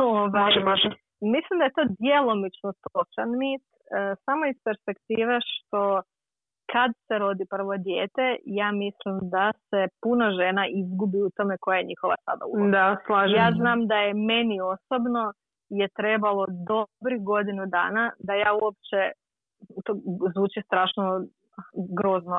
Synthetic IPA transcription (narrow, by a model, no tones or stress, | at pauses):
oʋajʒ | mislˠimd̪aje̞t̪o̞ːd̪je̞lˠo̞mit͡ʃno̞t̪o̞t͡ʃanmiːt̪ː | samo̞ispe̞ɾspe̞kt̪iːʋe̞ʃt̪o̞ | kad̪se̞ɾo̞d̪ipr̩ʋo̞d̪je̞ːt̪e̞jaːmislimd̪ase̞punoʒe̞naʔizɡubiut̪o̞me̞ko̞jajeɲixo̞ʋa̰sa̰d̪a̰ṵd̪aslaʒjaːznaːmd̪aje̞me̞nio̞so̞bno̞ | jet̪ɾe̞ːbalo̞d̪o̞bɾixɡo̞d̪inud̪a̰ːnad̪ajaːuop̚t͡ʃe̞ | ut̪ozʋuːt͡ʃist̪ɾaːʃno | ɡɾo̞ːzno